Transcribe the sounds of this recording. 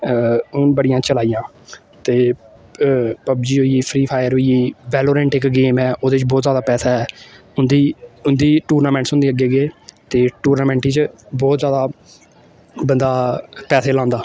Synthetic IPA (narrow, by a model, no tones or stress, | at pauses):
ʊnbəɽɪjãːt͡ʃəlaːijãː | t̪eː | pəbd͡ʒiːɦoːiiːpʰɾiːpʰaːɪjəɾɦiiːʋɛːloːɾɛ̃ːɳʈɪkɡeːmɛːʔoːd̪et͡ʃbɔːt̪zjaːd̪aːpɛːsaːɦɛː | ʊnd̪iːʊnd̪iːʈuːɾnaːmɛ̃ːɳʈsʊ̃nd̪iːəɡeːɡeːt̪eːʈuːɾnaːmɛ̃ːɳʈiːt͡ʃbɔːt̪zjaːd̪aː | bənd̪aːpɛːseːlãːnd̪aː